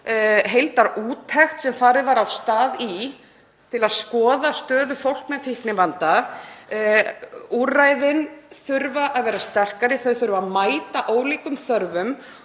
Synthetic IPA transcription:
ɦejlt̪aɾuːt̪ʰɛxt̪sɛmfaːɾɪðvaɾawst̪aːði | t̪ʰɪlaðskɔːðast̪œːðʏfowl̥kmɛðfihknɪvant̪a | urːajðɪnθʏɾvaʔaðvɛːɾast̪ɛr̥kaɾɪθœɥθʏɾvaðmaːjt̪aʔoːwliːkʏmθœɾvʏm

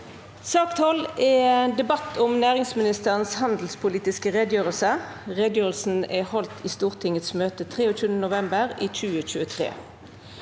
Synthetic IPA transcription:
sɑːkt̪hɔlɛend̪ɛbɑt̪ʊmnæːʁɪŋsmɪnɪst̪əʁənshɑnd̪l̩spʰʊliːt̪ɪskəʁɛd̪jøːʁəlsə | ʁeːd̪jøːʁəl̩sn̩ɛhɔlt̪ʰiːst̪uːʁt̪ʰɪŋət̪smøːt̪ət̪ʰʁeːoːçʉːənd̪ənʊʋɛmbəʁiːc͡çʉːəc͡çʉːət̪ʰʁḛː

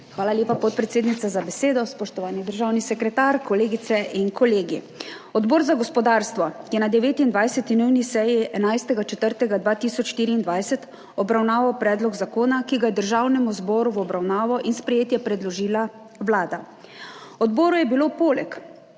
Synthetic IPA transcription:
xʋaːlaljeːpapɔt̪̚pɾɛt̪seːd̪nit̪sazabɛseːd̪ɔspɔʃt̪ɔʋaːnid̪əɾʒaːwnisɛkɾɛt̪aːɾkɔleːɡit̪sɛʔinkɔleːɡi | ɔd̪bɔːɾzaɡɔspɔd̪aɾst̪ʋɔkjɛnad̪ɛʋeːt̪ind̪ʋajsɛt̪inujnisɛjiɛnajst̪ɛɡat͡ʃɛt̪əɾt̪ɛɡad̪ʋaːt̪iːsɔt͡ʃʃt̪iːɾiːnd̪ʋajsɛt̪ | ɔbɾawnaːʋawpɾɛːd̪lɔɡzakoːnakiɡajɛd̪əɾʒawnɛmuzbɔːɾuwɔbɾawnaːʋɔʔinspɾɛjeːt̪jɛpɾɛd̪lɔʒiːla | wlaːd̪a | ɔd̪bɔːɾujɛbilopoːlɛk

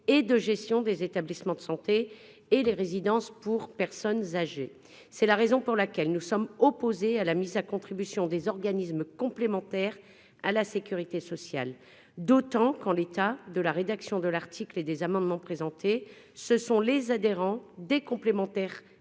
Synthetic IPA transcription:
ed̪əʒɛst̪jɔ̃d̪ezet̪ablismɑ̃d̪əsɑ̃t̪eː | leʁezid̪ɑ̃spuʁpɛʁsɔnzaʒe | sɛlaʁezɔ̃puʁlakʲɛlnusɔmɔpozealamizakɔ̃t̪χibysjɔ̃d̪ezɔʁɡanismkɔ̃plemɑ̃t̪ɛʁ | a̰lasekʲyʁit̪esɔsja̰l | d̪ot̪ɑ̃kɑ̃let̪ad̪əlaʁed̪aksjɔ̃d̪əlaʁt̪ʰikled̪ezamɑ̃d̪mɑ̃pχezɑ̃t̪e | səsɔ̃lezad̪eʁɑ̃d̪ekɔ̃plemɑ̃t̪ɛʁ

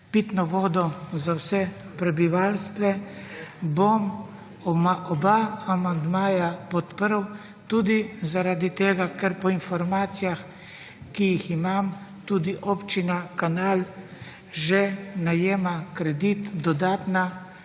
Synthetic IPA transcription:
pit̪nɔʋɔːd̪ɔzawsɛ | pɾɛbiʋalst̪ʋɛ | bom | ɔmaʔɔbaamand̪maːjapɔt̪pəɾw | t̪uːd̪izaɾaːd̪it̪eːɡakɛɾpɔinfɔɾmaːt̪sijax | kijiximamt̪uːd̪iʔɔpt͡ʃinakanaːl | ʒɛnajeːmakɾɛd̪it̪d̪ɔd̪aːt̪na

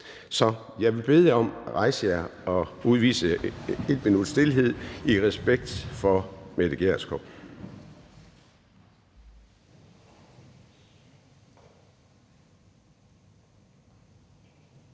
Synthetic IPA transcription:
sɒ̽ | jɑ̈ɪʋe̝b̥e̝ðˠɒ̽mʁɑ̈ɪsəjɑɒ̽uð̞ˠʋḭːsəe̝d̥̚minud̥sd̥e̝lɦe̝ð̞̰ˠiʁɛsb̥eɡ̥̚d̥fɒ̽med̥əɡ̥eɐskʰob̥

